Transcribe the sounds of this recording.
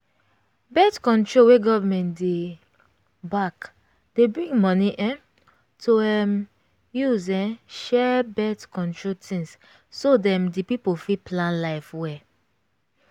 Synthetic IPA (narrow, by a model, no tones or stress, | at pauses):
bɛtkɔ̃ntɹoweɡɔvəmɛ̃ntde | bak | d̥ebɹĩŋɡmɔniʔɛ̃ | tʰoɛm | juzɛ̃ʃɛbɛtkɔ̃ntɹotʰĩŋs | sodɛ̃mdipipofipʰlãnlaɪfwɛ